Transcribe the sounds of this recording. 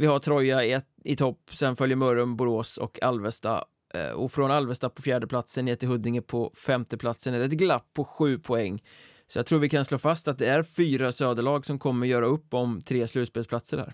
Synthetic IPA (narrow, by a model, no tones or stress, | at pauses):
vɪhaʈ̪ʰɾɔjaɛt̪ɪt̪ʰɔpːsɛnfœljəɾmœɾɔnbʊɾoːsɔ̰kʰalvəst̪a̰ | ɔ̰fɾɔnalvəst̪apʰɔfjæːɖəpʰlat̪sənːeːt̪ɪlɦɵd̪ːɪŋəpʰɔfɛmt̪əpʰlat̪sənɛɾɛt̪̚ɡlapʰːɔɧʉ̟ːpʰɔɛŋː | sɔjaɡt̪ʰɾuːɾvɪkʰansloːfast̪at̪̚d̪ɛæɾfyːɾasøːd̪əɭɑːɡsɔmkʰɔmːəɾjœːɾaɵpːɔmt̪ʰɾeːslʉ̟ːt̪speːlspʰlat̪səɖhæ̰ːɾ